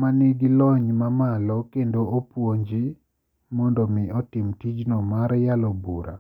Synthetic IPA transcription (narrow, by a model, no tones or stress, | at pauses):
maniɡilɔɲmamalɔkendoopwoɲd͡ʒi | mɔndɔmɪɔtɪmtid͡ʒnɔmaɾjalɔbuɾa̰